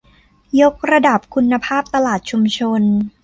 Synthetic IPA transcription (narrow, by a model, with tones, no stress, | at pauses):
jo˦˥k̚ɾa˧da˨˩p̚kʰu˧nːa˧pʰaː˥˩p̚t̪a˧laː˨˩t̪̚t͡ɕʰu˧mt͡ɕʰo˧n